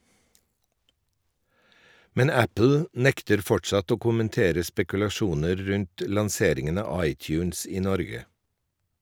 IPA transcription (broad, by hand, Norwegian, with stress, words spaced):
ˈmɛn ˈæpl̩ ˈnɛktəɾ ˈfɔʈʃɑt ˈoː kʊmənˈteːɾə spɛkʉlɑˈʃuːnəɾ ˈɾʉnt ə lɑnˈseːɾɪŋən ˈɑː ˈɑɪˌtjʉːns ˈiː ˈnɔɾɡə